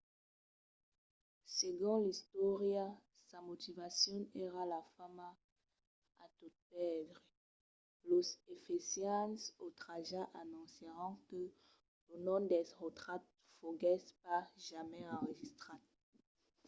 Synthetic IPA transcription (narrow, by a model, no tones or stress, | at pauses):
seɡɔ̃list̪wɔʁja | samot̪ivasjɔ̃eʁalafama | a̰t̪ut̪̚pɛd̪ʁ | losefesjɑ̃sot̪χaʒaʔanɔ̃seʁɑ̃kə | lənɔ̃d̪ɛsʁət̪χat̪̚ | foɡɛspaʒamɛɑ̃ʁəʒist̪χa